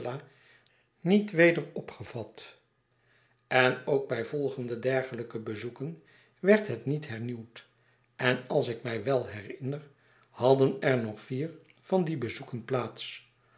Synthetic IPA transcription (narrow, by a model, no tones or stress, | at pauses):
laː | nitʋejdəɹɔpχəv̥ɑt | ɛnowɡ̚bɛjvɔlˠχəndədɛɹχələkəbəzukən | ʋɛɹtɦətnitɦɛɹniwt | ʔɛnɑlˠsɪkmɛjʋɛlˠɦɛrɪnər | hɑdənɛɹnɔχfiːɹ | v̥ɑndibəzukənplaːts